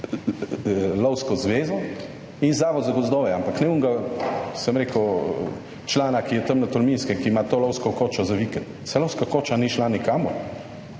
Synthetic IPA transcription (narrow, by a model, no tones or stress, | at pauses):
lɔwskɔzʋeːzɔ | inzaːʋɔd̪zaɡɔzd̪oːʋɛampaknɛuŋɡasəmɾeːkəw | t͡ʃlaːnakijɛt̪ɐmnat̪ɔlminskɛkimat̪oːlɔwskɔkoːt͡ʃɔzaʋikɛnt̪sɛlɔwskakoːt͡ʃaniʃlanikamɔ̰ɾ